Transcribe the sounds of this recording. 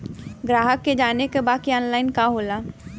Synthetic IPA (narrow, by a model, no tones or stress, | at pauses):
ɡɾaːɦəkːed͡ʒaːnekebaːkiɔːnlaːɪnkaɦoːlaː